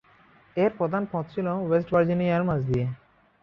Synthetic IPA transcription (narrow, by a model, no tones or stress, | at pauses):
eɾpɾod̪ʱanpɔ̃t̪̚t͡ɕʰilowesʈbaɾd͡ʑinijaɾmãd͡ʑd̪ie